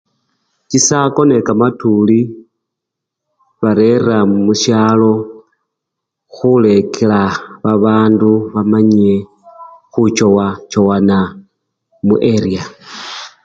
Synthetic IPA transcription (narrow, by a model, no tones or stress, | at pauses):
t͡ʃisako̞ne̞kamatuli | βaɾeramuʃjaːlo̞ | xule̞kʰelaβaβaːnduβamaɲie | xut͡ʃo̞wat͡ʃo̞wana | muʔeɾia